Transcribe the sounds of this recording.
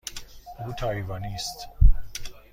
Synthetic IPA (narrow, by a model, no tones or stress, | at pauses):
ʔuːt̪ʰɒːivɒːniːst̪